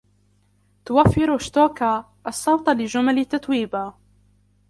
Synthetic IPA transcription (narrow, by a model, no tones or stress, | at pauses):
t̪ʊwafːɪɾʊʃt̪oːka | ʔɑsˤːɑwt̪ˤlɪʒʊmalɪt̪ːat̪wiːba